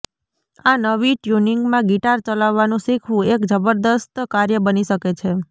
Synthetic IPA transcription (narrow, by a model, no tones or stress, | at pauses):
anəʋiʈjuniŋɡmãɡiʈaɾt͡ʃəlaʋːanũʃikʰʋũekd͡ʒəbəɾd̪əst̪kaɾjəbəniʃəket͡ʃʰe